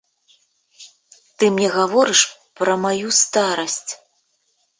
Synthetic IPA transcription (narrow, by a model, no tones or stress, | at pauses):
t̪ɨmɲʲɛɣavɔɾɨʂpɾɐmajust̪aɾɐsʲt͡sʲ